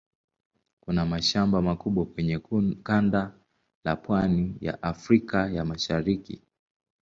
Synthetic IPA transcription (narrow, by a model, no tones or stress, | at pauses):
kunamaʃambamakuɓwapwɛɲɛkanda | lapwanija̰ʔafɾikajamaʃaɾikḭ